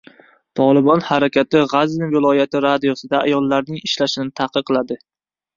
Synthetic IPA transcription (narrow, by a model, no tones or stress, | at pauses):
t̪ʰɒlˠɪbɒnhaɾakʲʰat̪ɪʁaznɪvɪlˠɒjat̪ʰɪɾad̪ijosɪd̪aa̰jɒlˠːaɾnɪŋɪʃlaʃɪnɪt̪ʰahqʰɨɾqʰːɨlˠad̪ɪ